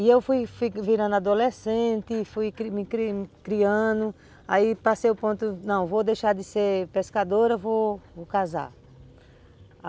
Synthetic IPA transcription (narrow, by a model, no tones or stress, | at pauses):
ɪewfujfiviɾɐ̃nd̪ʊad̪olesẽnt̪ɪfujkmɪkɾikɾiɐ̃nd̪ʊ | aipasejʊpõnt̪ʊnɐ̃w̃vod̪ejʃaɾd̪ɪseɾpeskad̪oɾɐvookaza̰